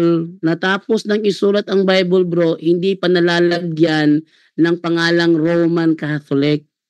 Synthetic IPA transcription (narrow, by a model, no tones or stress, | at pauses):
lnɐt̪aːposnɐŋɪsuːlɐt̪ɐŋbajbolbɾoʔhɪnd̪ipɐnɐlaːlɐɡjanː | ɐŋpɐŋaːlɐŋɾowmankat̪olɪk̚